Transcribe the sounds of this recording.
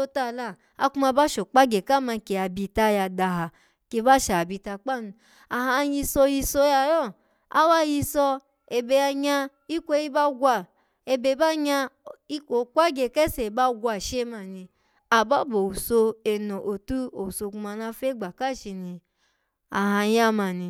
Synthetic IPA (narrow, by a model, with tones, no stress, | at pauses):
o˧ta˦˨la˧˨ | a˧ku˧ma˧ba˦ʃo˨k͡pa˦ɡe˨ka˦ma˧ke˧˨a˨bi˧ta˧ja˧da˧ɦa˨ | ke˧˦ba˦ʃa˨bi˧ta˧k͡pa˦˨nu˧ | a˨hã˧ji˧so˧ji˧so˧ja˧jɔ˦˨ | a̰˦wa˦ji˧sɔ˧ | e˧be˧a˧ɲa˧ | i˦kʷo˦i˦ba˦ɡʷa˧ | e˧be˧˨˦ba˦ɲa˧i˦ko˨kʷa˦ɡe˧˨kɛ˦se˨ba˦ɡʷa˧˨ʃe˦ma˧˨nĩ˧ | a˨ba˦bo˨wu˨so˧e˧no˨ʔo˨tu˦o˨wu˨so˧ku˧ma˧na˧fe˦ɡ͡ba˨ka˦˨ʃi˧ni˧ | a˨ɦa˧ja˦ma˧˨nĩ˧